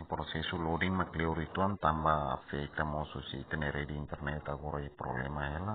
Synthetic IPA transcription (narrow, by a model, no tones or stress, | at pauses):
pɾɔsɛsulɔdiŋmakliuɾit̪uant̪ambaa̰fiait̪amɔsɔsiait̪ɛnɛɾɛdiint̪ɛrnɛt̪aɡɔɾaɛpɾɔ̰lɛ̰maɦɛla